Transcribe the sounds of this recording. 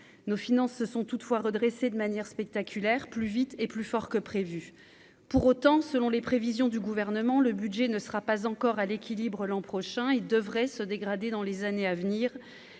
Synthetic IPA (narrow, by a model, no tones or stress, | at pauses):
nofinɑ̃sːəsɔ̃t̪ut̪fwaʁəd̪ʁesed̪əmanjɛʁspɛk̚t̪akʲylɛʁplyvit̪eplyfɔʁkəpχevy | puʁot̪ɑ̃səlɔ̃lepχevizjɔ̃d̪yɡuvɛʁnəmɑ̃ləbyd̪ʒɛnəsəʁapazɑ̃kɔʁalekʲilibʁəlɑ̃pχɔʃɛ̃eld̪əvʁɛsəd̪eɡʁad̪ed̪ɑ̃lezaneavniːʁ